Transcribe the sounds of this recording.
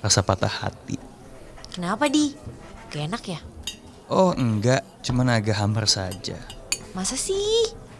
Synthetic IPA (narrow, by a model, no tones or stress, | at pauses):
rasapat̪aha̰t̪ḭ | kənapadi | kəenakja | ʔɔhəŋɡaʔ | t͡ʃumanaɡaɦamərsad͡ʒa̰masasih